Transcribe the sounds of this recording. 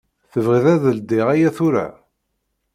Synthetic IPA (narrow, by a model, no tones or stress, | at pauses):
θəvʁiðæðəld̪iʁæjæθʊɾæ̰